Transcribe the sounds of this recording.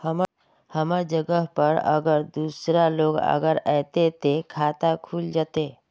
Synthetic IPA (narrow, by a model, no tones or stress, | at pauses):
həm | həmad͡ʒəɡəɦpəɾə̰ɡəɾd̪uːsɾaloːɡə̰ɡəɾɛːt̪et̪ekʰaːt̪akʰuːld͡ʒaːt̪eː